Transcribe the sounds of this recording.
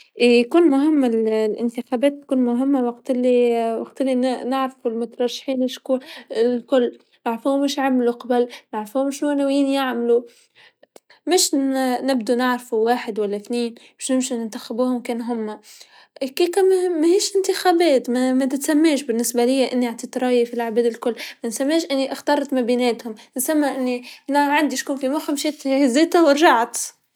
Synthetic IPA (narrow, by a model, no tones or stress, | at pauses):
ʔjakuːnmʊɦɪmːallʔɪnt̪ɪxabɛːt̪̚ːkuːnmʊɦɪmːawɑqt̪ɪlːiwɑqt̪ɪlːinɪʕɾfulmʊt̪ɾˤɑʃːḁħiːnɪʃkuːlkʊlː | naʕɾfuːmɪʃʕamluqɑbalnaʕɾfuːmɪʃunawjiːnjaʕmlu | mɪʃnɪb̚d̪unɪʕɾfuwaːħɪd̪walːaθniːnbɪʃnɪmʃinɪnt̪axabuːhʊmkeːnɦʊmːa | kiːkammːahiːʃʔɪnt̪ɪxaːbeːt̪mamat̪ɪt̪samːeːʃbɪnːɪsbalɪjːaʔɪnːiʕaʕt̪iːt̪ɾˤɑːjafilaʕabeːd̪ɪlkʊlːmansamːeːʃʔɪnːiʔaxt̪ɑːɾˤt̪mabiːneːt̪hʊmʔɪnsamːaʔɪnːinaʕand̪iʃkuːnfimaxamʃet̪hzeːt̪awɪɾʒaʕt̪